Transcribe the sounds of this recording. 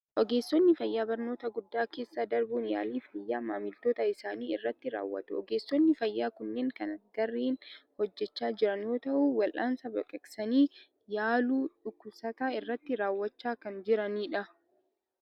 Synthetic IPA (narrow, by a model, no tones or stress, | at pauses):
ʔɔɡe̞ːsːɔnːɪfɐjːaːbɐɾnoːt̪ɐɡʊd̪ːaːke̞ːsːaːd̪ɐɾbuːnja̰ːliːfɐjːaːmaːmɪlt̪oːt̪ɐɪsaːniːɪrːɐt̪ːɪɾa̰ːwːɐ̰t̪ʊɔ̰ɡe̞ːsːɔnːɪfɐjːaːkʊnːeːŋkɐnɐɡɐrːiːnhɔd͡ʒːɛt͡ʃːaːd͡ʒɪɾɐnjo̞ːt̪ɐʔuwɐlʔaːnsɐbɐkʼɛksɐniː | jaːluːᶑʊkːʊlsɐt̪aːɪrːɐt̪ːɪɾaːwːɐt͡ʃːaːkɐnd͡ʒɪɾɐniːᶑɐ